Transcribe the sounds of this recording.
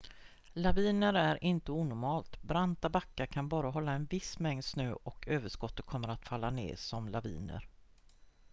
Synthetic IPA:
laviːnəɾæɾʔɪnt̪əuːnʊɾmɑːlt̪bɾant̪abakːakʰanbɑːɾaɦɔlːaɛnvɪsmɛŋd̪snøːʔɔkʰøːvəʂkɔt̪ːət̪̚kʰɔmːəɾat̪falːanḛːsɔmlavḭːnə̰ɾ

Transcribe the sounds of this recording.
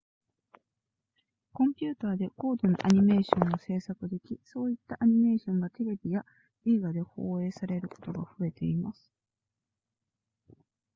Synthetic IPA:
kõ̞mpʲɨ̟ːt̪aːd̪e̞ko̞ːd̪o̞no̰ʔaɲ̟ime̞ːɕõ̞nːose̞ːsakɯ̟d̪e̞kʲiso̞ːit̪ːaʔaɲ̟ime̞ːɕõ̞ŋɡat̪e̞ɾe̞bʲija | eːɡad̪e̞ho̞ːe̞ːsaɾe̞ɾɯ̟ko̞̥t̪o̞ɡaɸɯ̟e̞t̪e̞̰imasɨ̥

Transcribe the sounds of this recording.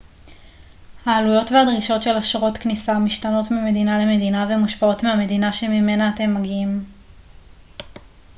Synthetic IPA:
haːlujo̞tveadʁiʃo̞tʃe̞laʃʁo̞tknisamiʃtano̞tmime̞dinale̞me̞dinavemuʃpao̞tmeame̞dinaʃe̞mime̞naːte̞mːaɡiim

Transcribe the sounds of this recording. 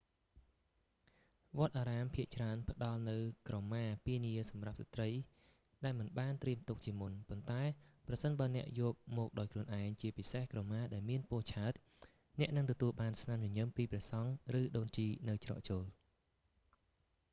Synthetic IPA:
ʋŏət̪̚ʔaːɾaːmpʰiəʔt͡ɕraənpə̆ɗɑlnɨwkrɑmːaːpiəniəsɑmrap̚sat̪rəj | ɗaɛlmɨnɓaːnt̪riəmt̪uk̚t͡ɕiəmunpont̪aɛprɑsənɓaənɛ̆əʔjɔːk̚mɔːk̚ɗaɔjkʰluənʔaɛŋt͡ɕiəpisehkrɑmaːɗaɛlmiənpʊəht͡ɕʰaət̪̚ | nɛ̆əʔnɨŋt̪ɔt̪uəlɓaːnsnamjʊ̆ɲɨmpiːprɛəsɑŋrɨːɗoːnt͡ɕiːnɨwt͡ɕrɑ̰ːʔt͡ɕoːl

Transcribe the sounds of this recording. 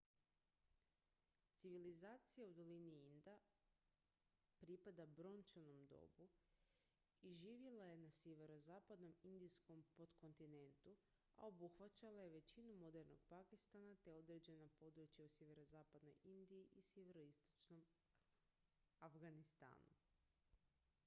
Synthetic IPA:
t̪siʋilizaːt̪sijaud̪o̞liniind̪a | pɾipad̪abɾo̞nt͡ʃano̞md̪o̰bu | iʒiːʋjelaje̞nasjeʋe̞ɾo̞zaːpad̪no̞mind̪isko̞mpo̞dt̪ko̞nt̪ine̞nt̪u | a̰o̞buxʋat͡ɕalaje̞ʋe̞t͡ɕinumo̞d̪e̞ɾno̞̰ɡpakist̪anat̪e̞o̞d̪ɾed͡ʑe̞napo̞d̪ɾut͡ɕjausʲjeʋe̞ɾo̞zaːpad̪no̞̰jind̪iiʔisjeʋe̞ɾo̞ist̪o̞̥t͡ʃno̞m | afɡanist̪a̰ːnṵ

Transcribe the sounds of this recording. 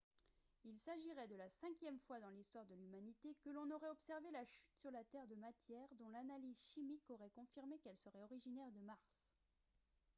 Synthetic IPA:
ilsaʒiʁɛd̪əlasɛ̃kʲjɛmfwad̪ɑ̃list̪waʁd̪əlymanit̪ekəlɔ̃nɔʁɛɔpsɛʁvelaʃyt̪syʁlat̪ɛʁd̪əmat̪jɛʁd̪ɔ̃lanalizʃimikɔʁɛkɔ̃fiʁmekɛlsəʁɛɔʁiʒinɛʁd̪əmaʁs

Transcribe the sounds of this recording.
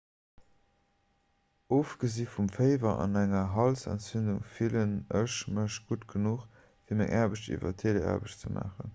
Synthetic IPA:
oːfɡ̥əziːfumfəɪvɐʔɑ̰næŋɐɦɑlsɛ̰ntt͡synduŋfilənəʃməʃɡ̥utɡ̥ənuːχ | fiːɐmæŋʔaːɐbəɕtḭvɐ̰tʰeːlea̰ːɐbəʃt͡səmʔa̰ːχən

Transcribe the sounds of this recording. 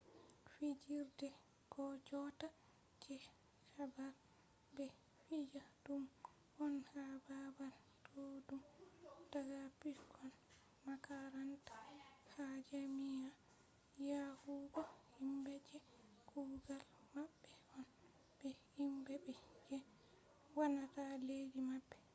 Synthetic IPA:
fid͡ʒiɾdɛ | kɔd͡ʒɔta | d͡ʒɛ | kabaɾ | bɛ | fid͡ʒadum | ʔɔnhababal | tʰodumdaɡapikʰɔn | makaɾantḁhad͡ʒamija | jahuɡɔhimbɛd͡ʒɛ | kʰuɡalmabːɛɔn | b̥ɛhimbɛbɛd͡ʒɛ | wanataledimabːɛ

